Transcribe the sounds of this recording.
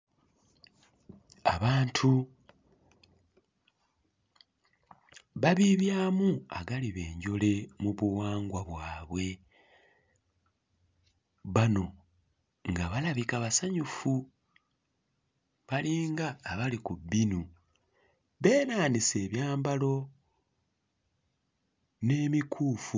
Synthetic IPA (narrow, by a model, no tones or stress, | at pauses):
a̰βaːntʰu | βaβiβjaːmua̰ɡaliβe̞ːɲɟo̞le̞muβuwaːŋɡwaβwaːβwe̞ | βano̞ | ŋɡaβalaβikaβasaɲufu | βaliːŋɡaːβalikubinu | βe̞ːnaːnise̞ːβjaːmbalo̞ | ne̞ːmikʰuːfu